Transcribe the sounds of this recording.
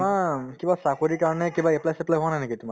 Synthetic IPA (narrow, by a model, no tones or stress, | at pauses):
makibasakoɹikaɹɔnɛkibaeplajseplajɦoanajnekitʊma